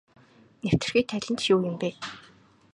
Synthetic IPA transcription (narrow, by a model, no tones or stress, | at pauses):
new̥t̪ɘ̆rxiːt̪ʰæɮʲɪ̆nt̪juːjʊ̆mpeː